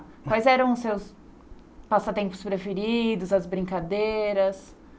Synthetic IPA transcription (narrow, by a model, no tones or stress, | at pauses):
kwajzɛɾɐ̃w̃ʊsews | pasɐt̪ẽmpʊ̥spɾefeɾid̪ʊzɐzbɾĩŋkad̪eɾɐs